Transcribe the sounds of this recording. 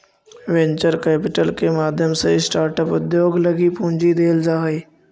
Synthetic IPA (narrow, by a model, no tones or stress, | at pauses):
ʋẽɲt͡ɕəɾkɛːpɪʈəlkemaːd̪ʱjəmsẽisʈaːɾʈəpʊd̪joːɡlɐɡipũːɲd͡ʑid̪eːld͡ʑaːɦiː